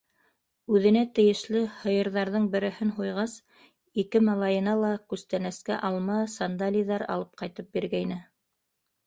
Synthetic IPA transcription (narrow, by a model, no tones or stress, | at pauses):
ʉðɘ̆næt̪ɘ̆jɘ̆ʃlɘhɤ̆jɤ̆ɾðɑɾðɤɴbɘ̆ɾɘ̆hɘnɦujʁɑs | ikɘmɑlˠɑjɤ̆nɑlˠɑkʉst̪ænæskæ̰ʔɑlˠmɑsand̪alʲijðɑɾɑ̰lˠɤp̚qɑjt̪ɤp̚biɾɡæjnɘ